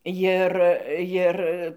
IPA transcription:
jɪr ˈjɪr

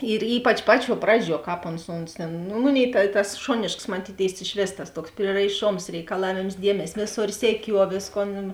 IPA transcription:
ɪr ˈiːpɐt͡ʃ ˈpɑːˌt͡ʃʲuɔ ˈprɑːˌd͡ʒʲuɔ ˈkɑːp oːns ˈoːns tʲeːn nʊ ˈmʊˌnʲeːɪ tɐ tɐs ˈʃoːnʲeːʃks mɐˈtʲiːtʲeːɪs ɪʃʲˈʋʲeːs tɐs ˈtuɔks pʲrʲiɛrɐɪˈʃoːms rʲɛɪkɐˈlˠɑːʋʲeːms ˈdʲiɛmʲɛsʲ ˈʋʲeːˌsoːr sʲɛˈkʲuɔ ˈʋʲeːsˌkoːn

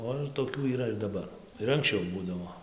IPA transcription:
ˈoː ɪr toːˈkʲuː iːˈrɐ ɪr dɐˈbɐr ɪr ɐŋksʲˈt͡ʃʲɛʊ ˈbuːdɐʋoː

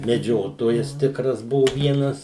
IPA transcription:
mʲɛˈd͡ʒʲoːtoːjɛs ˈtʲɪkrɐs ˈbʊʋʊ ˈʋʲiɛnɐs

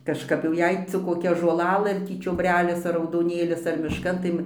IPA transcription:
kɐʃˈkɐp jɛʊ ˈjɛɪ t͡sʲɪk koːˈkʲɛ ʒoːlˠɐˈlˠɘ ɐr ˈtʲiː t͡ʃʲoːbʲˈrʲæːlʲɪs ɐr rɐʊdoːˈnʲeːlʲɪs ɐr mʲɪʃˈkɐn tɐɪ

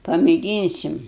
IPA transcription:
pɐmʲeːˈɡʲiːnʲsʲɪm

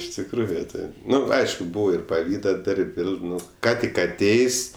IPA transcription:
ɪʃ tʲɪkˈruːjʊ ˈtɐɪp ˈnʊ ˈɐɪʃkʊ ˈbuːʋoː ɪr pɐˈʋʲiːdɐ ˈdɐrʲpʲ ˈʋʲeːlˠ ˈnʊ ˈkɑː tʲɪk ɐˈtʲeːjsʲ

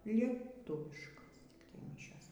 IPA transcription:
lʲiɛˈtʊʋʲɪʃkoːs tʲɪk tɐɪ ˈmʲɪʃʲoːs

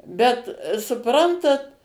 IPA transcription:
bʲɛt sʊˈprɐntɐt

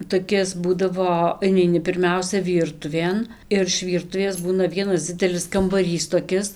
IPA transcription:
toːˈkʲɪs ˈbuːdɐʋoː ɪnʲɛɪˈnʲɪ pʲɪrʲˈmʲɛʊsʲɛ ˈʋʲiːrtʊʋʲeːn ɪr ɪʃ ˈʋʲiːrtʊʋʲeːs ˈbuːnɐ ˈʋʲiɛnɐs ˈd͡zʲɪdʲɛlʲɪs kɐmbɐˈrʲiːs toːˈkʲɪs

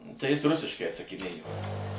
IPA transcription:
tɐɪ ˈjɪs ˈrʊsʲɪʃkɐɪ ɐtsɐkʲɪˈnʲeːjoː

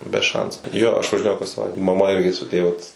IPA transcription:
bʲɛ ˈʃɐnsʊ ˈjoː ɐʃ ʋɐʒʲɪˈnʲeːjɛʊ kɐs sɐˈʋɐɪtʲɛ mɐˈmɐ ˈɪrʲɡʲɪ sʊ ˈtʲeː ʋɐt

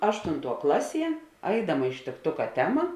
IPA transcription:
ˈɑːʃtʊnˌtuɔ ˈklˠɑːˌsʲiɛ ˈɐɪdɐmɐ ɪʃʲtʲɪkˈtʊkɐ ˈtʲæːmɐ

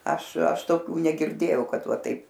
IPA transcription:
ˈɐʃ ˈɐʃ toːˈkʲuː nʲɛɡʲɪrʲˈdʲeːjɛʊ ˈkɐt ˈʋɐ ˈtɐɪp

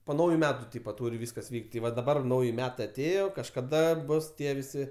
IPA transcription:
poː ˈnɐʊjʊ ˈmʲæːtʊ ˈtʲiːpɐ ˈtuːrʲ ˈʋʲiːskɐs ˈʋʲiːkʲtʲ tʲɪ ˈʋɐ dɐˈbɐr ˈnɐʊjɪ ˈmʲæːtɐɪ ɐˈtʲeːjoː kɐʃkɐˈdɐ ˈbʊs ˈtʲiɛ ʋʲɪˈsʲɪ

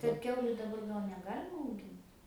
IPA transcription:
kɐt ˈkʲɛʊlʲʊ dɐˈbɐr ˈɡɐlˠ nʲɛˈɡɑːlʲɪmɐ ɐʊˈɡʲɪnt

